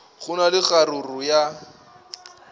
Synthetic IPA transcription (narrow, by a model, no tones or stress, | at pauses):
ɣʊnalɪɣaɾʊrʊja